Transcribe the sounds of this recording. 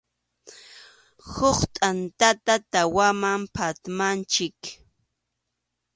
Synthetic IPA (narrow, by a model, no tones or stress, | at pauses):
hʊχt̪ʼant̪at̪at̪awamampʰat̪mant͡ʃɪk